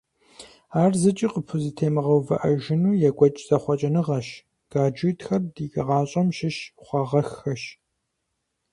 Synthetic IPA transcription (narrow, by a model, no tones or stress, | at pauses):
aːrzɨt͡ʃʼiqəpʰʊzɨtʰeːmɨʁɐwvɐʔɐʒɪnuːjɛɡʷɐt͡ʃʼz̥ɐχʷɔt͡ʃʼɐnɨʁɐʃ | ɡ̥aːd͡ʒɨtxɐrdiːɡʼɐʁɑːɕʼɐmʃɪʃχʷɐʁɐxɐʃ